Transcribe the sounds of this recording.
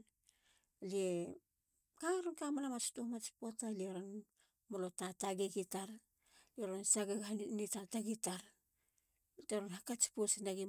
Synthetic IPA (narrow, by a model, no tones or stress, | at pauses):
lie | kaaɾonkamanamat͡ʃi̥tomat͡ʃi̥potalieɾon | molotataɡeɡitaɾ | lieɾonsaɡaɡanitataɡitaɾ | teɾonhakat͡ʃi̥posinaɡi